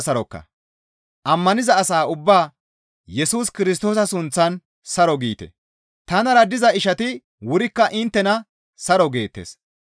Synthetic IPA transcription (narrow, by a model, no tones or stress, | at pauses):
sɐɾɔkːɐ̰ | ʔɐmːɐnɪzɐːsaːʊbːaː | jɛsuːskɪɾɪs̬t̪o̞ːs̬ɐsʊnt͡sːɐn | sɐɾɔɡḭːt̪ɛ̰ | t̪ɐnɐɾɐd̪ɪzɐɪʃɐt̪ɪ | wʊɾɪkːɐʔɪnt̪ːɛnɐ | sɐɾɔɡe̞ːt̪ːḛːs